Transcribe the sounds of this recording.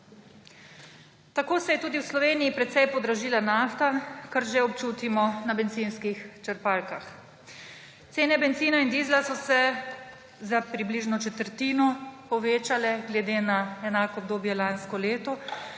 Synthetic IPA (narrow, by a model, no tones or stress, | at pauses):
t̪akoːsɛjɛt̪uːd̪iwslɔʋeːnijipɾɛt̪sɛjpɔd̪ɾaʒiːlanaːft̪akaɾʒeɔpt͡ʃuːt̪imɔnabɛnt̪zinskixt͡ʃəɾpalkax | t̪seːnɛbɛnt̪ziːnaind̪iːzlasɔsɛ | zapɾibliːʒnɔt͡ʃɛt̪əɾt̪iːnɔpɔʋeːt͡ʃalɛɡlɛd̪eːnaɛnaːkɔːb̚d̪oːbjɛlanskɔleːt̪ɔ